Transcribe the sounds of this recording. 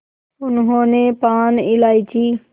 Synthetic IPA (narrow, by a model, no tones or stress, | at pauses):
ʊnɦõːnẽːpaːnɪlaːiːt͡ʃʰiː